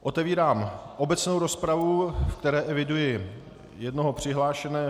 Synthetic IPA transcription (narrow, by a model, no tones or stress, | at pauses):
ʔo̞t̪ɛviːɾaːmʔo̞bɛt͡snowɾo̞spɾavufkt̪ɛɾɛːʔɛvɪdujɪ | jɛdnoɦo̞pr̝̥ɪɦlaːʃɛnɛː